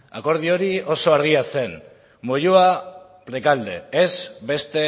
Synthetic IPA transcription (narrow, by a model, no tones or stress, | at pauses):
a̰ko̞ɾð̞io̞ɾio̞so̞aɾɣ̞iase̞n | moʎua | pɾe̞kald̪e̞̰ezbe̞st̪e̞